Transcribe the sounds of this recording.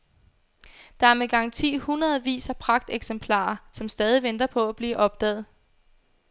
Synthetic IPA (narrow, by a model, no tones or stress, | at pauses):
d̥ɑ̈æɐmeɡ̥ɑ̈ŋ̰t͡sʰḭːhunʁɐð̩ˠʋḭːsæpʰʁɑ̈ɡ̥̚d̥eɡ̥sempʰlɑ̰̈ːɐsɒ̽msd̥ɛːð̞ˠiʋend̥ɐpʰɒ̽æb̥liːʔɒ̽b̥̚d̥ɛ̰ːð̞̩ˠ